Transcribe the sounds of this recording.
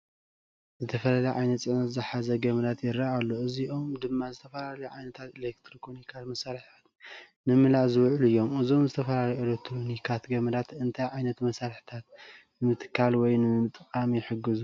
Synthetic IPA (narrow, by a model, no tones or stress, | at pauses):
zɨt̪ʰɐfɐlalɐjʕajnɐt̪t͡sʼɨʕnɐt̪zɨħazɐɡɐmɐd̪at̪jɪɾaalːoʔɨziʔo̞md̪ɨmːazɨt̪ʰɐfɐlalɐjuʕajnɐt̪ʰat̪elekt̪ʰɾokɾonikʰat̪mɐsaɾħat̪ | nɨmɨlaʔzɨwʕluɨjːo̞mɨzo̞mzɨt̪ʰɐfɐlaljuelekt̪ʰɾonikʰat̪ɡɐmɐd̪at̪ɨnt̪ʰajʕajnɐt̪mɐsaɾħi̥t̪ʰat̪ | nɨmɨt̪ʰɨ̥kʰːalwɔjnɨmɨt̪ʼɨkʼamijɪħɨɡːɨzu